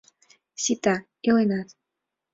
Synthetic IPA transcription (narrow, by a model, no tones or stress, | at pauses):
ɕit̪a | joenat̪